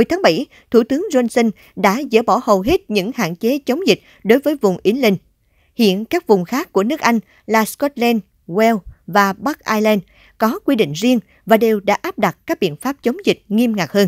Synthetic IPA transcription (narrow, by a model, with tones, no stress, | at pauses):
o˨˩jt̪ʰaː˨˦ŋɓa˧˩j | t̪ʰu˧˩t̪ɨ˨˦əŋzə˧nsə˧n | ɗa̰ː˧˥zə̰ː˧˩ɓɔ˧˩hə˨˩wɦi˦˥t̚ɲɨ̰˧˥ŋha̰ː˧˨nt͡ɕe˨˦t͡ɕə˨˦wŋ͡mzi˨˩k̟̚ | ɗo˨˦jvəː˨˦jvʊ˨˩ŋ͡mʔi˨˦lï˧˩ŋ̟ | hḭ˧˨ənkaː˦˥k̚vʊ˨˩ŋ͡mxaː˦˥kːu˧˩ənɨ˦˥ək̚ʔa˧jŋ̟ | laː˨˩skɔ˦˥t̚lɛ˧n | wɛ˧wvaː˨˩ɓa˦˥k̚ʔaː˧jlɛ˧n | kɔ˨˦kwi˧ɗḭ˧˨ŋ̟zi˧əŋ | vaː˨˩ɗe˨˩wɗa̰ː˧˥ʔaː˦˥p̚ɗa˨˩t̚kaː˦˥k̚ɓḭ˧˨ənfaː˦˥p̚t͡ɕə˨˦wŋ͡mzï˨˩k̟̚ŋi˧əmŋa˨˩k̚həː˧n